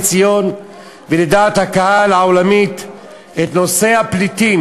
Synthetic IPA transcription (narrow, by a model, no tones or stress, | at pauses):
t͡sijo̞n | veled̪aːt̪hakaɦalaolamit̪ | et̪no̞se̞haplit̪i